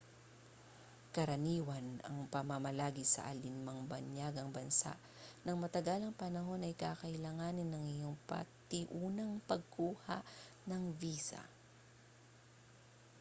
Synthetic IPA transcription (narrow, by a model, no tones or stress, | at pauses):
kɐɾɐniːwɐnɐ̰ŋpɐmamɐlaːɡɪsɐ̰ʔɐ̰lɪnmɐŋbɐnjaɡɐŋbɐnsa̰ʔ | nɐŋmɐt̪ɐɡalɐŋpɐnɐɦo̞nɐjkaːkɐʔɪlaːŋanɪnːɐŋɪjoŋpɐ̰t̪ɪʔuːnɐŋpɐɡ̚kuːha̰ʔ | nɐŋviːsɐ̰